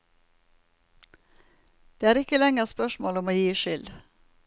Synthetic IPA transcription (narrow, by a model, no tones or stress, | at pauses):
d̪̥eːæːɾɪkəlɛŋəspœʃmoːlɔmoːjiːʃʏl